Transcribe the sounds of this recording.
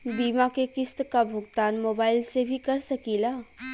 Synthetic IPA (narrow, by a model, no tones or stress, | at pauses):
bimakekɪst̪kabʱʊɡt̪aːnmobaːɪlsebʱikəɾsəkila